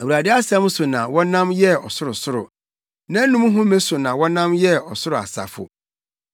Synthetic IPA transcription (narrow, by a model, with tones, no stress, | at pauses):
æ˨u˨ɾa˨dɪ˦a˦sɛ̃˦m˦sʊ˨nã˨wɔ̃˦nã˦mjɛ˦ɔ˨sʊ˦ɾʊ˨sʊ˦ɾʊ̰˨ | nã˦nũ˦m˦ɦʊ̃˦mẽ˦sʊ˨nã˨wɔ̃˦nã˦mjɛ˦ɔ˨sʊ˦ɾʊ˨a̰˨sa̰˨fʊ̰˨